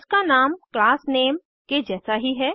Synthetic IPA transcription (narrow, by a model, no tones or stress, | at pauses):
skanaːmklaːsneːm | ked͡ʒɛːsaɦiɦɛː